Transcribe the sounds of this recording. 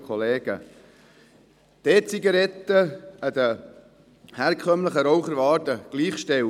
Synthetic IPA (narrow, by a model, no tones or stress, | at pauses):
kχɔleːɡ̥ə | d̪̥ɛt͡siɡɑɾɛt̪ːəəd̪ə | hæɾkʰœmləχəɾɔwχəɾʋɑːdəɡ̥liːχʃtɛ